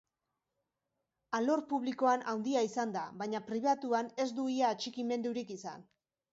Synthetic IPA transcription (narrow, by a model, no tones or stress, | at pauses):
alo̞ɾpuβliko̞anawnd̪iaisand̪aβajɲapɾiβ̞at̪uane̞zd̪uiaːt͡ʃikime̞nd̪uɾikisa̰n